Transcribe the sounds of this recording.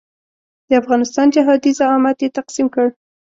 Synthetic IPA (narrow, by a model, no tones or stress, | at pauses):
d̪əafɣɑnɪst̪ɑnd͡ʒaɦɑd̪izaɑmat̪jet̪aqsimkəɽ